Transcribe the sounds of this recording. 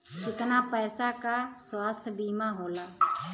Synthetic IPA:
kɪt̪naːpɛːsaːkaːswaːst̪ʰbiːmãːɦoːlaː

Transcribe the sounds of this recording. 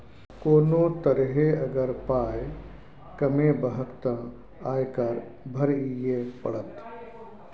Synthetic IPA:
koːnot̪əɾɦeɐɡəɾpaːj | kɐmebəɦəkt̪ə̃ | aːjkɐɾbʱəɾijepə̰ɽət̪

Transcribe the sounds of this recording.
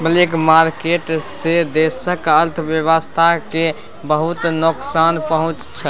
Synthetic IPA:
bəlikmaɾkeʈsed̪esəkəɾt̪ʰʋjəʋəst̪ʰake | bəɦut̪noksanpəɦʊ̃t͡ʃt͡ʃʰə

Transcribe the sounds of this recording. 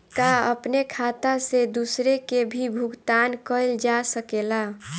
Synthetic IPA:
kaə̰pnekʰat̪ased̪usɾekebʱibʱuɡt̪ankəɪld͡ʒasəkela

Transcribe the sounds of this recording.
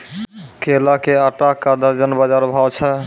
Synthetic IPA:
kelakeaʈakad̪aɾd͡ʒɔnbad͡ʒaɾbʱawt͡ɕʰa

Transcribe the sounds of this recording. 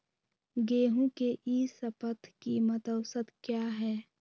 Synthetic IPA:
ɡeːɦũkeʔiːsəpət̪ʰkimət̪əʊsət̪kjaːɦɛː

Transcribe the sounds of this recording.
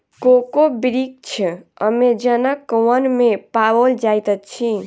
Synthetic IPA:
kokobiɾik̚t͡ʃʰə̰med͡ʒənakːəwənmepawold͡ʒajt̪ətt͡ʃʰi

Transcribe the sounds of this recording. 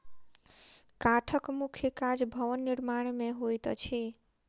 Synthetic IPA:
kaʈʰəkmukʰjəkad͡ʒbʱəʋənːiɾmaɽ̃mẽɦojt̪t͡ʃʰi

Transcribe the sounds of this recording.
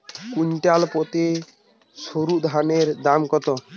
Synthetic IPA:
kuɲʈalpɔt̪e | soɾud̪ʱaneɾd̪amkɔt̪ɔ

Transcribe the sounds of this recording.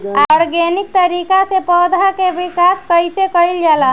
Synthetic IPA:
aɾɡenik̚t̪əɾikasepɔd̪ʱakebikaskəjsekəild͡ʒala

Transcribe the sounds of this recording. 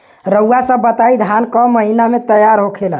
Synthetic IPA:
ɾəwasə̃bət̪aid̪ʱankɔməɦinamet̪əjaɾɦokʰela

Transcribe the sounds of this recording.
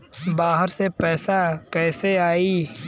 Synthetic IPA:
baːɦəɾsepɛːsakɛːseaːiː

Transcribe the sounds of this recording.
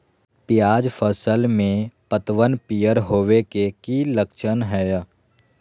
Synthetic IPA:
pɪjaːd͡ʒpʰəsəlmẽpət̪ʋənpijəɾɦoːʋekekiləkʃənɦɛː

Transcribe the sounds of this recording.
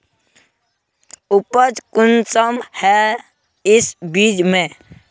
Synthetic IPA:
ʊpəd͡ʒkʊnsəmhɛ | ɪsbiːd͡ʒmẽ

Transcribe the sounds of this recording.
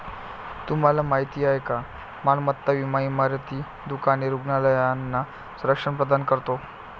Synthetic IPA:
t̪um̤alamaɦit̪iːaɦeka | malmət̪ːaʋimaimaɾt̪iː | d̪ukaneɾuɡnaləjanːa | suɾəkʂəɳpɾəd̪ankəɾt̪o

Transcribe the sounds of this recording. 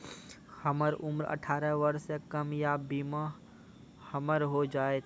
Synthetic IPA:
həməɾʊmɾə̰ʈʰaːɾəʋəɾsekɐmjabiːma | həməɾɦod͡ʒaːet̪ʰː

